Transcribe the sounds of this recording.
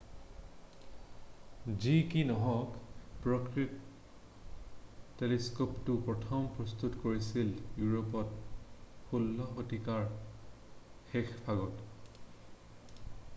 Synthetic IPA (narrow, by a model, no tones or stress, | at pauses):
zikinɔɦɔkpɹɔkɹit | eliskoptupɹɔtʰɔmpɹɔst̪utkoɹisiljuɹopɔt̚ | xulːɔxotikaɹ | xexpʰaɡɔt